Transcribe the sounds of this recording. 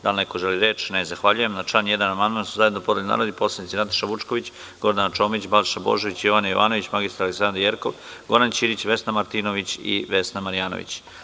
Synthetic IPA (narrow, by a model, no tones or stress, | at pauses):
d̪alneko̞ʒeliɾeːt͡ʃnezaxʋaʎujemnat͡ʃaːnje̞d̪anamand̪mant̪suzaje̞d̪nopo̞d̪elʲna̰ːɾod̪ipo̞slˠanit̪inat̪ḁʃaʋut͡ʃko̞ʋit͡ɕ | ɡ̥o̞ɾd̪anat͡ʃo̞ːmit͡ɕbalʃabo̞̰ʒoʋit͡ɕijoʋanajoʋa̰ːno̞ʋit͡ɕmaɡist̪aɾaleksand̪ɾijeɾkoʋ | ɡo̞ɾant͡ɕiːɾit͡ɕʋe̞snamaɾt̪inoʋit͡ɕḭʋe̞snamaɾijaːno̰ʋḭt͡ɕ